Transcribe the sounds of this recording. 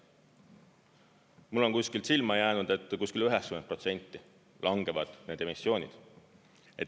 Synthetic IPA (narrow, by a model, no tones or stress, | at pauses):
mulːo̞nkusʲkilt̪silmɑjæːnud̪̥e̞t̪ːˑkuskilyɦɛkskymenpro̞t̪se̞nʲt̪ːi | lʔɑŋɡ̥e̞vɑd̪̥ne̞ːd̪̥emisːjo̞ːnʲḭd̪̥ | e̞̰t̪